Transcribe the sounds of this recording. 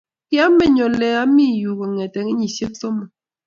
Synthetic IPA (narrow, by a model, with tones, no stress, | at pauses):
kja˦mɛ˨ɲɔ˨lɛ˨a˦mi˦ju˨ɣɔ˨ŋɛ˨tɛ˨ŋi˦ɲi˨sje˦k̚sɔ˦mɔ˨